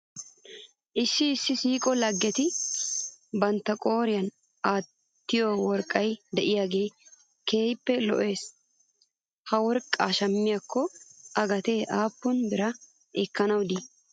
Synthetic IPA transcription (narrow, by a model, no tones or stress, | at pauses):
ʔɪsːɪːsːɪsiːkʼɔlɐɡːɛt̪ɪ | bɐnt̪ːɐkʼo̞ːɾɪjɐn | ʔaː | t̪ːɪjoːwɔɾkʼːɐjd̪ɛʔɪjaːɡe̞ː | ke̞ːjpːɛlɔ̰ʔe̞ːs | hɐwɔɾkʼːaʃɐmːɪjakʰːɔʔɐɡɐt̪eːʔaːpːʊnbɪɾɐ | ɛkːɐnɐwd̪iː